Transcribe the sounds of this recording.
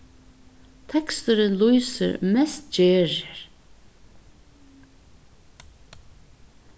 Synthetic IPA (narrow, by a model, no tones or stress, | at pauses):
t̪ʰɛkst̪ʏɾɪnlujsɪ̰ɾmɛst̪̚d͡ʒeːɾɪɾ